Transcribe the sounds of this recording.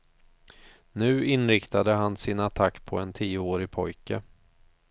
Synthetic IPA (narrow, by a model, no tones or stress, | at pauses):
nʉ̟ːɪnɾɪkt̪ad̪əɦansɪnat̪ʰakːpʰɔɛnt̪ʰiːʊoːɾɪpʰɔjkə